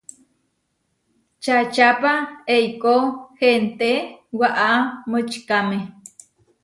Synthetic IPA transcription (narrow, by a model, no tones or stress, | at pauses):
t͡ʃat͡ʃapaejkohent̪ewaʔamɨt͡ʃkame